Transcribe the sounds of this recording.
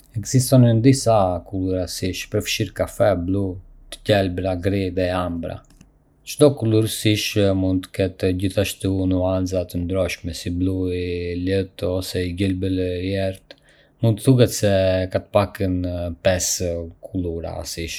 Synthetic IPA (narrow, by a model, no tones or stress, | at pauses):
ɛɡzist̪ɔnənd̪isakuluɾasiʃpəɾfʃiɾkafɛblu | t̪ə̥cɛlbɾaɡɾiðɛambɾa̰ | t͡ʃt̪ɔkuluɾsiʃmund̪t̪ə̥kɛt̪ɟiθaʃt̪unuanzat̪ənd̪ɾɔʃmɛsibluilət̪ɔsɛiɟəlbəljɛɾt̪ | mũnt̪əθukɛt̪sɛkat̪ə̥pakənpɛskʰuluɾa̰siʃ